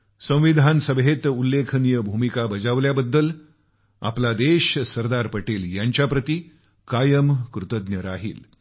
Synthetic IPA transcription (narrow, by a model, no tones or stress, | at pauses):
sə̃w̃ʋid̪ʱansəbɦet̪ulːekʰnijəbʱumikabəd͡zaʋljabəd̪ːəl | a̰plad̪eɕsəɾd̪aɾpəʈeljaɲt͡ɕjapɾət̪i | kajəmkɾut̪əd̪njəɾaɦḭːl